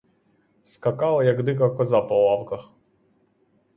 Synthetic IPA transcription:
skɐkɑlˠɐjɐɡd̪ɪkɐkɔzapɔwˠɑwkɐx

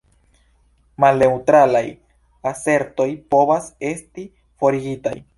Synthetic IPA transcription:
malne̞wtɾalaj | ase̞ɾto̞jpo̞vase̞sti | fo̞ɾiɡita̰j

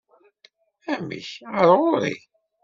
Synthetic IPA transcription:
æmḭçəɾˤʁʊɾḭ

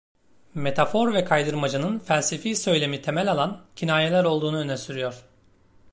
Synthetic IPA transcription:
me̞t̪ʰafo̞ɾvɛkʰajd̪ɯɾmad͡ʒɯnɯnfælʲsefiːsø̞jlʲe̞mit̪ʰe̞mɛlʲalˠancʰinaːjelʲæɾo̞lˠd̪uːnuønɛsyɾyjo̞ɾ̥

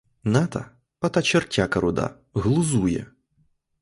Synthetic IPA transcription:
nat̪ɐ̰ | pɐt̪ɐt͡ʃɛrtʲakɐɾʊd̪a̰ | ɣlˠʊzujɛ̰

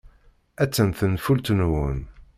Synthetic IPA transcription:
æt͡sːənθənfult̪ənwun

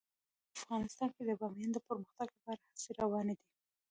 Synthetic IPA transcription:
afɣɑnɪst̪ɑnked̪əɡɑmjɑnd̪opəɾməxt̪aɡlapɑɾahaseɾawɑned̪i

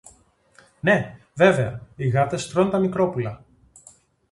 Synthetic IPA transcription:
ne̞ | ve̞ve̞ɐiɣɐt̪e̞st̪ɾo̞nt̪ɐmikɾo̞pulɐ

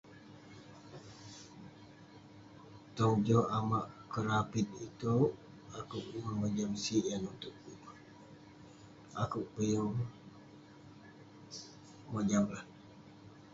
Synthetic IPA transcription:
t̪od͡ʒoamaʔkəɾapit̪̚it̪u | akuʔməməd͡ʒamsiʔɛnut̪uʔ | a̰kuʔpəjuŋ | mad͡ʒamlah

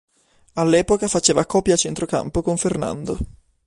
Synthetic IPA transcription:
alːɛːpokafat͡ʃeːvakɔːpjat͡ʃɛnt̪ɾoka̰mpokoɱferna̰nd̪o

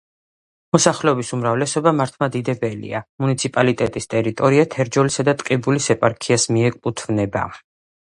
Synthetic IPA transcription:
mɔsaχlɛɔbisumɾavlɛsɔbamaɾt̪ʰmad̪id̪ɛbɛlḭamunit̪sʰipʼalit̪ʼɛt̪ʼist̪ʼɛɾit̪ʼɔɾiat̪ʰɛɾd͡ʒɔlisad̪at̪ʼqʼibulisɛpʼaɾkʰiasmiɛkʼpʼut̪ʰvnɛba̰

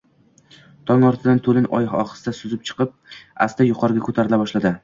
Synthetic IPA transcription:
t̪ʰɒŋɒɾt̪ʰɪd̪ant̪ʰolɪnʔɒ̰jɒ̰χɨ̥sd̪asʊzɪp̚t͡ʃʰɨ̥qɨp̚a̰st̪ajʊqʰɒɾɪɡʲakʰot̪ʰaɾɪlabɒʃlad̪ɪ

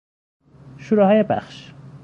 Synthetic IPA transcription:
ʃuɾɔhɒːjebæ̰xʃ

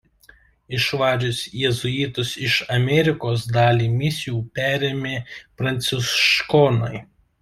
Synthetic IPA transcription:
ɪʃʋɑːʒʲʊsʲjɛzʊit̪ʊsɪʃɐmʲɛɾʲɪkoːsd̪ɑːlʲiːmʲɪsʲɪjuːpʲæːɾʲeːmʲeːpɾɐnʲt̪sʲɪʃkɔnɔɪ

